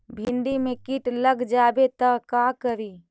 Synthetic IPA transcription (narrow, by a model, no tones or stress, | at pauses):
bʱɪ̃nd̪imẽkiːʈləɡd͡ʒaːbet̪əkakəɾiː